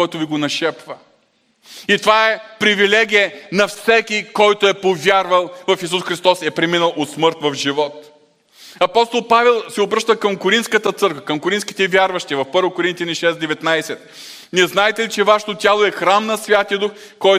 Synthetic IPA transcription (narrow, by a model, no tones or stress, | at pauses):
ɔjt̪oviɡonɐʃɛpvə | it̪ovaɛpɾivilɛɡʲijɛnɐfsɛkʲikɔjt̪oɛpovʲjaɾvɐlˠvɐfis̬usxɾist̪ɔsɛpɾɛminəlˠot̪smɤɾt̪vɐfʒivɔt̪ | ɐpɔst̪olˠpavɛlˠsɛobɾɤʃt̪əkɐmkʊɾint̪skət̪ət̪sɤɾkvəkɐmkoɾint̪ski̥t̪ɛvʲjaɾvɐʃt̪ivɐfpɤɾvokoɾint̪janiʃɛsd̪ɛvɛt̪najsɛt̪̚ | niɛznaɛt̪ɛlit͡ʃɛvaʃɛ̥t̪ot̪ʲalˠoɛxɾamnɐsvʲjat̪iəd̪ux | kɔj